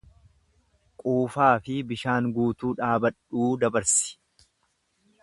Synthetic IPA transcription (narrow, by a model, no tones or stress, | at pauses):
kʼuːfaːfɪbɪʃaːŋɡuːt̪uːᶑaːbɐᶑuːd̪ɐbɐɾsɪ̥